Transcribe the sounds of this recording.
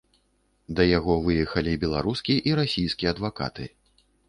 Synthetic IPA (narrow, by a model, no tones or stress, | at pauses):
d̪ɐjaɣɔvɨjɛxɐlʲibʲɛlˠaɾuskʲiʔiɾasʲijskʲijɛɐd̪vaka̰t̪ɨ